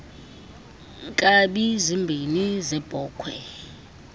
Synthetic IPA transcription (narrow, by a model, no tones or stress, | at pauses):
ŋkʼaɓizimbʱinizɛb̥ʱɔːkʰwɛ